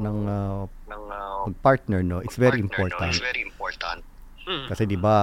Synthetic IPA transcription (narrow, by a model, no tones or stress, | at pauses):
nɐŋɐ | ŋpɐɡ̚paɹt̪̚nɛɹnoʔɪsvɛɾiʔɪmpoɹt̪ɐ̃nɛimpoɹt̪ɐ̃nt̪̚ | kɐsɛd̪ɪba